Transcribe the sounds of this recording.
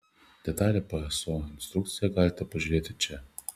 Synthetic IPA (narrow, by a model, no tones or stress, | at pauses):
d̪̥ʲɛt̪ɑːlʲɛpɐɛsoːɪnʲst̪ɾʊk̚t̪sʲɪjɛɡɑːlʲɪt̪ʲɛpɐʒʲʊɾʲeːt̪ʲɪt͡ʃʲɛ